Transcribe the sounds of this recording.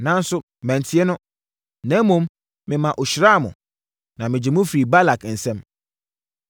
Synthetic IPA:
nã˨n̩˦sʊ˦ | mɛ̃˨n˨tʰɪ˦ɛ˦nʊ̃˦ | nɛ̃˨˦mõ˨˦m | mɪ̃˨mã˨ʔo˨ɕɾa˦˨mʊ̰̃˨ | nã˨mɪ̃˨d͡ʑɪ˨mʊ̃˦fɾi˨ba˦la˨kn̩˨sɛ̃˦m

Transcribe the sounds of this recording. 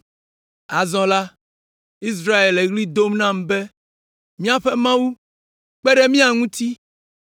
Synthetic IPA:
a˨zɔ̃˨la˦ | i˦s̬ɾa˦e˨le˨ɣli˦d̪o˦mnã˦˨m˨bɛ˦ | mĩ˦a˦ɸɛ˦mã˦wu˦ | k͡pɛ˦ɖe˦mĩ˦a˨ŋũ˦t̪i˦

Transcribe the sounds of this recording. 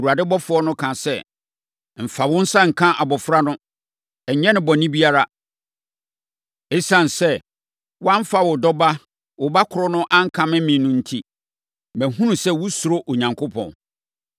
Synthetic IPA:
u˨a˨dɪ˦bɔ˦fʊ˦ɔ˦nʊ̃˦kʰã˨sɛ˦ | m̩˨fa˨wʊ̃˦n̩˦sa˦ŋ̩˨kʰã˦ʔa˨bɔ˨fɾa˦nʊ̃˦ | ɛ˨ɲ˨ɲɛ̃˦nɪ̃˦bɔ˨nĩ˦bi˦a˦ɾa˦ | e˦sã˦˨n˨sɛ˦ | wʊ˦ã˦m̩˦fa˨wʊ˨dɔ˦ba˦ | wʊ˨ba˦kʰʊ˨ɾɔ˦nʊ̃˦ʔã˦ŋ˦kʰã˨mɪ̃˦mĩ˨nʊ̃˦n̩˦tʰi˦ | mɛ̃˨ɦũ˦nũ˨sɛ˦wʊ˦sʊ˨ɾo˦ʔo˨ɲã˨ŋkʰʊ˦pʰɔ̰̃˨n

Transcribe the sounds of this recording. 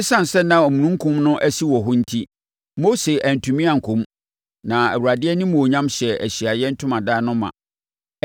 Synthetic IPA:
ɪ˦sã˦n̩˨sɛ˦nã˨ɔ˨mũ˨nũ˦ŋ̩˦kʰʊ̃˦mnʊ̃˦ʔæ˦si˦wɔ˨ɦʊ̃˦n̩˦tʰi˦ | mo˦se˨ʔæ˨n̩˨tʰũ˨mĩ˦ã˨ŋ̩˨kʰʊ̃˨˦m | nã˨æ̰˨wu˨ɾa˨dɪ˦ɛ˦nĩ˦mũ˨o˨ɲã˦mɕɛ˨ʔæ˨ɕi˨a˨jɛ˦n̩˦tʰʊ˦mã˨daː˦nʊ̃˦mã̰˨

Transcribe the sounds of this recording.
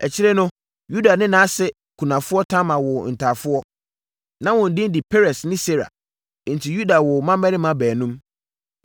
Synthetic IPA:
ɛ˨t͡ɕʰɪ˦ɾɛ˦nʊ̃˦ | ju˦da˨nɪ̃˦nã˦sɛ˦ | kʰu˨nã˨fʊ˦ɔ˦tʰã˦mã˨wʊ˨n̩˨tʰaː˨fʊ˦ɔ˦ | nã˦wɔ̃˨n̩˨dɪ̃˦n̩˦dɪ˨pʰe˦ɾɛ˨snɪ̃˦se˦ɾa̰˨˦ | n̩˨tʰi˨ju˦da˨wʊ˨mã˦mɛ˦nɪ̃˦mã˨bɛː˨nũ˦m

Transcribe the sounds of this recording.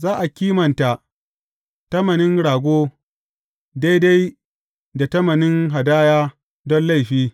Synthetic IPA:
zaː˦ʔa˨kʲiː˦mɐ˨nta˨ʔ | tɐ˦mɐ˨nɪ˦ŋɽaː˨ɡʷoː˦ | da˦jda˦j | da˨tɐ˦mɐ˨nɪ˦ŋɦa˨daː˦jaː˦ | dɔ˦nla˦˨jɸiː˦

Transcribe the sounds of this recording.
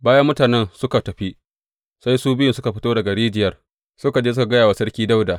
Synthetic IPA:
baː˦jɐ˦mːʊ˦taː˨nɛ˦nsʊ˦ka˨tɐ˨ɸi˦ | sa˦jsuː˦bɪ˦jʊ˨nsʊ˦ka˨ɸɪ˦toː˦dɐ˨ɡɐ˨ɽiː˦d͡ʒɪ˨jɐ˦r | sʊ˦ka˨d͡ʒeː˦s̬ʊ˦ka˨ɡɐ˦jaː˨wa˨sɐ˦rkʲiː˦da˦wda˨ʔ

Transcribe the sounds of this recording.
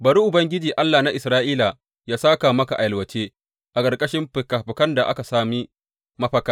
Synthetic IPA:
bɐ˨ɽu˦ʔʊ˨bɐ˦ŋɡʲɪ˦d͡ʒiː˨ʔa˦lːaː˨na˦ʔɪ˨sɾaː˦ʔiː˦la˨ | jaː˦saː˦ka˨mɐ˦ka˨ʔa˨jɐ˨lwɐ˨t͡ʃeː˦ | ʔa˨kʼɐ˨rkʼɐ˦ʃɪ˦mɸɪ˨kaː˨ɸɪ˨kɐ˦nda˨ʔa̰˦ka˨saː˦miː˦ | mɐ˦ɸɐ˦ka˦

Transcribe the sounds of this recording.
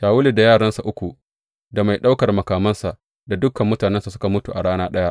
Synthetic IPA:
jaː˨wʊ˦le˨da˨jaː˦˨ɽɐ˦nsa˨ʔʊ˦kʷu˨ | da˨ma˨jɗa˦wkɐ˨rmɐ˨kaː˨mɐ˦nsa˨ʔ | da˨dʊ˦kɐ˨mːʊ˦taː˨nɛ˦nsa˨sʊ̥˦ka˨mʊ˦tu˨ʔa˨ɽaː˦naː˦ɗɐ˦ja˦ʔ

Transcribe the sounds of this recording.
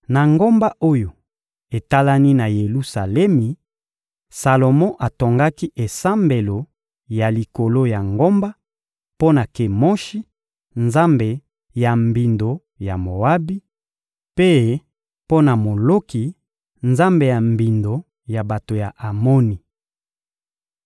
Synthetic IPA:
na˨ŋɡo˦mba˦ʔo˦jo˨ | e˨ta˦la˦ni˦na˨je˨lu˦sa˨lɛ˦mi˨ | sa˨lo˨mɔ̃˦ʔa˨to˨ŋɡa˦ki˦ʔe˨sa˦mbe˨lo˨ | ja˨li˨ko˨lo˦ja˨ŋɡo˦mba˦ | po˦na˨ke˨mɔ˦ʃi˦ | nza˦mbe˨ | ja˨mbi˨ndo˨ | ja˨mo˨a˦bi˦ | pe˦ | po˦na˨mo˨lo˦ki˨ | nza˦mbe˨ja˨mbi˨ndo˨ | ja˨ba˨to˨ja˨ʔa˨mo˦ni˨

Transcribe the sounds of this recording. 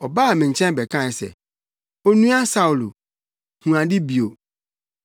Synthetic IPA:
ɔ˨ba˦a˨mɪ̃˨ɲ̩˨t͡ɕʰɛ̃˦nbɛ˨kʰã˦ɛ˨sɛ̰˨ | ɔ˦nũ˦a˦sa˦u˨lu˨ | hũ˨ã˨dɪ˦bi˨o˨

